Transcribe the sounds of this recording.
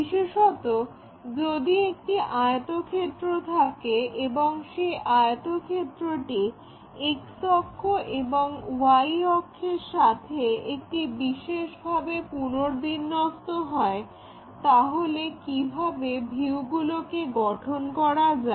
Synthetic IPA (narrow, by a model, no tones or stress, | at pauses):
biʃeʃɔt̪o | d͡ʑod̪iek̚ʈiʔajt̪okʰet̪ːɾot̪ʰakeeboŋʃeʔat̪okʰet̪ːɾoʈi | eksɔkʰːoʔeboŋwajɔkʰːeɾʃat̪ʰeek̚ʈibiʃeʃbʱabepunoɾd̪inːɔst̪oɦɔe | t̪aɦolekibʱabebʱiuwɡulokeɡɔʈʰonkɔɾad͡ʑa